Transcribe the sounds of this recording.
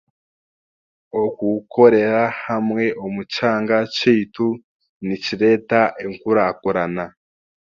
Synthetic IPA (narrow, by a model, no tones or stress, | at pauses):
okuko̞ɾe̞ɾahamŋe̞ʔomut͡ʃaːŋɡat͡ʃiːtu | niciɾe̞taʔeŋkuɾakoɾana